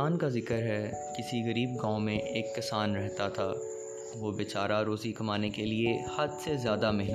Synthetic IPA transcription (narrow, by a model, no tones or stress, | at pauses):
aːnkazɪkəɾɦɛ | kɪsiɣɐɾiːbɡãːõmẽʔeːkːɪsaːnɾɛɦt̪at̪ʰaː | ʋobet͡ʃaːɾaɾoːzikɐmaːnekeliehɐd̪sezjaːd̪amɛɦn